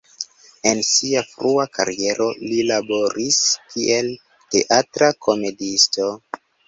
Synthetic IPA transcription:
e̞nsiafɾuaka̰ɾie̞ɾʔo̞lilabo̞ɾiskiʔe̞l | te̞̰ʔatɾakʰo̞me̞disto̞

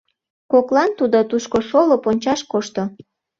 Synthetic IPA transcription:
koklɑnt̪ud̪ot̪uʃkoʃoloponʲt͡ɕɑʃkoʃt̪o

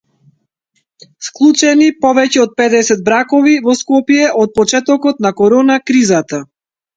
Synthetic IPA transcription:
sklˠut͡ʃɛnipɔvɛcɛɔt̪̚pɛd̪ɛsɛd̪̚bɾakɔvivɔskɔpjɛʔɔt̪̚pɔt͡ʃɛt̪ɔkɔt̪nakɔɾɔnakɾizat̪a

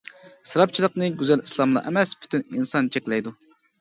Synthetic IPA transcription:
sɨɾɑp̚t͡ʃʰilˠəqnɨɡʲyzɛlislˠɑmlˠɑ̰ʔɛ̰mɛspʰy̥t̪yninsɑnt͡ʃʰɛkʲlɛjd̪u

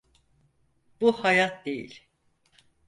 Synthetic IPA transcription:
b̥uhajat̪̚d̪e̞jḭlʲ

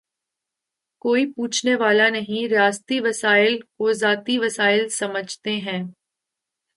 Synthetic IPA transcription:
koːipuːt͡ʃʰneʋaːlanɐɦĩɾaːst̪iʋɐsaːɪlkozaːt̪iʋɐsaːɪlsɐməd͡ʒʱt̪eɦɛ̃ː

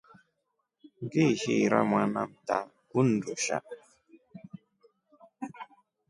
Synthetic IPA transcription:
ɡehiɾa̰mwanamta | kundoʃa̰

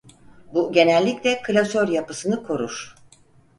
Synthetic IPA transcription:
buɟe̞nɛlʲːiclʲɛkʰɯlʲasøɾjapɯsɯnɯkʰo̞ɾuɾ̥

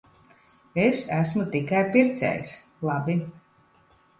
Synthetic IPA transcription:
esæsmut̪ikajpiɾt̪sʲɛ̰js | lˠabi

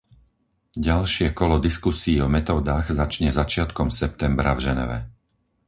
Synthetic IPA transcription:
ɟalʃɪɛkɔlɔd̪iskusiːɔmɛt̪ɔːd̪aːɣzat͡ʃɲɛzat͡ʃɪat̪kɔmsɛp̚t̪ɛmbɾavʒɛnɛ̰ʋɛ̰

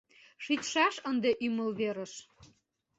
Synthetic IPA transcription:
ʃit̪ʃɑʃənd̪eʔyməlβeɾəʃ

